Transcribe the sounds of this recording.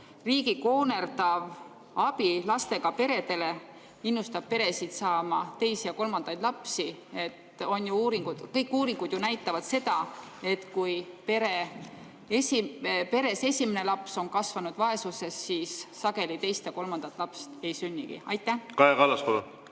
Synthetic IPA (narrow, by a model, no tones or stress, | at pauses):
riːɡiko̞ːne̞rd̪̥ɑv | ɑb̥ilɑst̪e̞ɡ̥ɑpe̞ɾe̞d̪e̞le̞ | inːust̪ɑb̥̚pe̞ɾe̞sit̪sɑːmɑt̪e̞jsijɑko̞lmɑnd̪̥ɑjd̪̥lɑpsie̞t̪o̞njuuːɾiŋɡ̥ud̪̥kɤjkːˑuːɾiŋɡud̪̥junæjt̪ːˑɑvɑd̪̥se̞d̪ɑe̞t̪kujpe̞ɾe | esipe̞ɾe̞se̞sʲimene̞lɑpso̞nkɑsvɑnud̪vɑe̞suse̞sːiːsːɑɡe̞lit̪e̞jst̪jɑko̞lmɑnd̪̥ɑt̪ːˑlɑpst̪e̞jsynʲːiɡ̥ḭɑjt̪ˑːæhkɑekɑlːɑskod̪u